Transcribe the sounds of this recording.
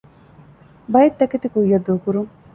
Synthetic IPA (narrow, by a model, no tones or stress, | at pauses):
bɐjet̪ːɐket̪ikuijːɐd̪ːuːkuɾuŋ